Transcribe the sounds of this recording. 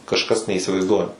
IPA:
kɐʃˈkɐs nʲɛiːsʲɪʋɐɪzˈduɔjɛm

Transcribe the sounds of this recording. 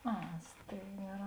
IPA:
ˈɐ ˈsʲtʲeːɪɡɐˌrɑː

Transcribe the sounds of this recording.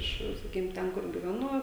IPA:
ˈɪʃ sɐˈkʲiːkʲɪm ˈtʲɛn ˈkʊr ɡʲɪʋʲɛˈnʊ

